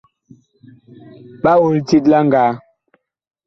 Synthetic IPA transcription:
ɓa˦wo˨lti˦t̬la˦ŋ˨ɡaː˨˦

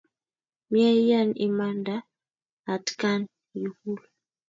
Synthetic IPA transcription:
mi˦a˦ja˦˨ni˨ma˦ndaː˦˨ | tka˦n | ji˨hu˦l

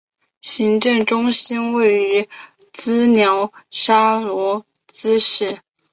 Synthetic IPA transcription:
ɕi˧˥ŋʈ͡ʂɤ˥˩ŋʈ͡ʂʊ˥ŋɕi˥nwe˥˩ɪy˧˥ | t͡sɹ̩˥njɑ˧˥ʊʂa˥lwɔ˧˥ | t͡sɹ̩˥ʂɻ̩˥˩

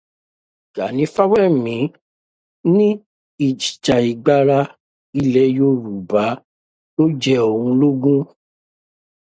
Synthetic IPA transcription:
ɡ̥a˨˦nĩ˨˦fa˦wɛ˦˨mĩ˨˦ | nĩ˦ | i˨d͡ʒi̥˨t͡ʃa˨i˨ɡ͡ba˨˦ɾa˦ | i˦lɛ˦jo˦ɾu˨ba˨˦ | to˦d͡ʒɛ˦o˨ũ˧lo˦ɡũ˦

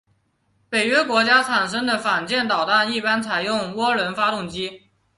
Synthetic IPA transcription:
pe˨˩ɪɥɛ˥kwɔ˧˥t͡ɕja˥t͡sʰa˨˩nʂ̬ɤ˥ŋd̪ə˨fa˨˩nt͡ɕjɛ˥˩nt̪ɑ˨˩ʊt̪a˥˧ni˥˩pa˥nt͡sʰa˨˩ɪjʊ˥˩ŋwɔ˥lwə˧˥nfa˥t̪ʊ˥˩ŋt͡ɕi˥

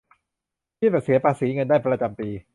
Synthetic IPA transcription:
pʰiː˥˩bɛ˨˩si˩˦ɐpʰaː˧si˩˦ŋɤ˧ndaː˥˩jpɾa˧t͡ɕa˧mpiː˧

